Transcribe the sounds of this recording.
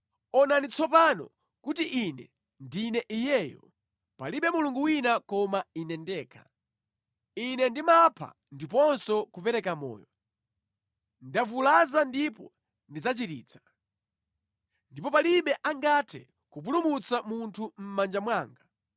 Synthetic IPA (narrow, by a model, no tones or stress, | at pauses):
ɔnanit͡sɔpanɔ̰ | kutiʔinɛ̰ | ndinɛʔijɛːjɔ̰ | paliɓɛmuluŋɡuwinakɔmainɛndɛːkʰḁ | inɛndimapʰa̰ | ndipɔnsɔkupɛɾɛkamɔ̰ːjɔ | ndavulazandipɔ | ndid͡zat͡ʃiɾḭːt͡sʰḁ | ndipɔpaliɓɛʔaŋɡatʰɛ̰ | kup̬ulumut͡samuntʰum̩mand͡ʒamwaːŋɡa